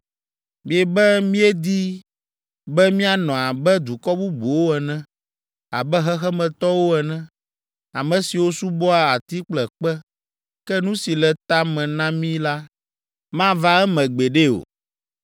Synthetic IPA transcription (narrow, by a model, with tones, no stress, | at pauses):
mi˨ɛ˨bɛ˦mĩ˦ɛ˦d̪i˦ | bɛ˦mĩ˦a˨nɔ̃˨a˨bɛ˦d̪u˨kɔ˦bu˦bu˨wo˦ɛ˨nɛ̃˦ | a˨bɛ˦ɦɛ˦xɛ˦mɛ̃˨t̪ɔ˦wo˦ɛ˨nɛ̃˦ | a˨mɛ̃˨si˨wo˦su˦bɔ˦a˨a˨t̪i˦k͡plɛ˨k͡pɛ˦ | kɛ˦nũ˦si˨lɛ˨t̪a˦mɛ̃˨nã˦mĩ˦la˦ | mã˦va˦ɛ˦mɛ̃˨ɡ͡be˨ɖe˦o̰˨